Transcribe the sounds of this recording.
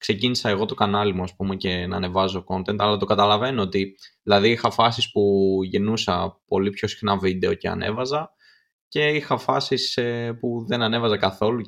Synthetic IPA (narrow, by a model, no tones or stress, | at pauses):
kse̞cinisɐe̞ɣo̞t̪o̞kɐnɐlimuɐspume̞ce̞nɐːne̞vɐzoko̞nt̪e̞nt̪ɐlɐt̪o̞kɐt̪ɐlɐve̞noot̪iðilɐðiixɐfɐsispuʝenusɐpo̞lipço̞si̥xnɐvid̪e̞o̞ce̞ɐ̰ne̞̰vɐzɐ | ce̞ixɐfɐsisepuðe̞nɐne̞vɐzɐkɐθo̞lu